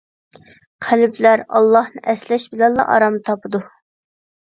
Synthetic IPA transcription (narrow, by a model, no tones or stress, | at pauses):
qʰælɪblæɾɑ̰lˠːɑhnɨʔɛslɛʃbɪlɛnlˠɑ̰ʔɑ̰ɾɑmɨt̪ʰɑpʰɨd̪u